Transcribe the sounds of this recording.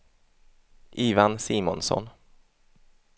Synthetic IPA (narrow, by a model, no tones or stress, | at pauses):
ʔiːvansiːmɔ̰nsɔ̰n